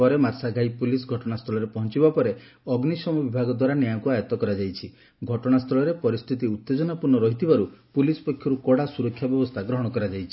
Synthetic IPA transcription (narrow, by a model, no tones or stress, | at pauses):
ɔɾemaɾsaɡʱajpulisɡʱɔʈɔɽ̃ast̪ʰɔɭɔɾepɔɦɔnt͡ʃibapɔɾe | ɔɡnisɔmɔbibʱaɡɔd̪waɾanjajɔkuajɔt̪ɔkɔɾad͡ʒajt͡ʃʰi | ɡʱɔʈɔɽ̃ast̪ʰɔɭɔɾepɔɾist̪ʰit̪iut̪ːed͡ʒɔnapuɾnːɔɾɔɦit̪ʰibaɾupulispɔkʰːjɔɾukɔɽasuɾɔkʰjabjɔbɔst̪ʰaɡɾɔɦɔɽ̃ɔkɔɾad͡ʒajt͡ʃʰi̥